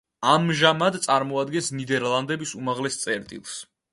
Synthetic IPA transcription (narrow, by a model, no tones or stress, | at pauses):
amʒamad̪t̪sʼaɾmɔad̪ɡɛnsnid̪ɛɾlˠand̪ɛbisumaʁlɛst̪sʼɛɾt̪ʼḭlˠs